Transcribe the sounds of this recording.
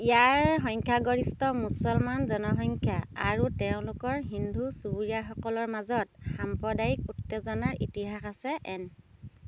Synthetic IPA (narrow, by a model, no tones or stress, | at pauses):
ijaɹxɔŋkʰjaɡoɹistɔmusɔlmanzɔnɔxɔŋkʰjaaɹutɛʊ̃lʊkɔɹɦindʱusubuɹijaxɔkɔlɔɹmazɔt̚xampɹɔdajik̚utːezɔnaɹitiɦaxasɛʔɛn